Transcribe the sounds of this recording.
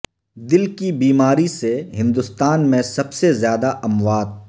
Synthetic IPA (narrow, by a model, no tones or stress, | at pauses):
d̪ɪlkibiːmaːɾiseɦɪ̃nd̪ʊst̪aːnmẽsɐbsezjaːd̪aʔɐmʋaːd̪̚